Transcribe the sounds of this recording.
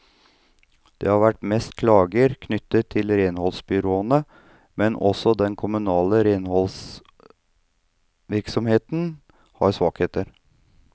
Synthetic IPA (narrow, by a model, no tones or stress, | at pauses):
d̪̥ḛːhɑɾʋæʈːmɛst̪kʰlɑːɡəɾkʰnʏt̪ːət̪ʰːɪlɾeːnhɔlsbʏɾoːənə | mɛnɔsɔd̪ɛnkʰʊmʉnɑːləɾeːnhɔls | ʋɪɾksɔmheːt̪n | hɑɾsʋɑːkheːt̪əɾ